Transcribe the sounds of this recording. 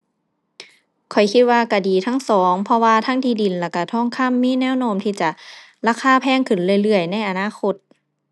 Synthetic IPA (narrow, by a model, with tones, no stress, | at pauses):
kʰɔ˨˩jkʰi˧t̪̚waː˧ka˧˩diː˨˩t̪ʰa˧˥˨ŋsɔː˨˦ŋpʰɔ˧waː˧t̪ʰa˧˥˨ŋtiː˧˩di˨˩nlɛː˧˩wka˧˩t̪ʰɔː˧˥˨ŋkʰa˧˥˨mːiː˧˥˨nɛː˧˥˨wnoː˧˥˨mt̪ʰiː˧˩t͡ɕa˨˩ | laː˧˩kʰaː˧˥˨pʰɛː˧˥˨ŋkʰɯ˨˩nlɯ˧ə˨jlɯ˧˩əjna˧˥˨jʔa˧naː˧˥˨xʰo˧t̪̚